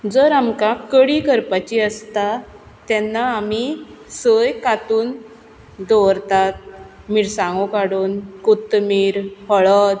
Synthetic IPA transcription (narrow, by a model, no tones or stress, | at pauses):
d͡zəɾamkakəɽiːkəɾpat͡ɕiəst̪a | t̪ɛnːaːmisəjkat̪uːn | d̪ɔʋɾt̪at̪̚ | miɽsãŋɡokaɽuːnkut̪miːɾfəɭət̪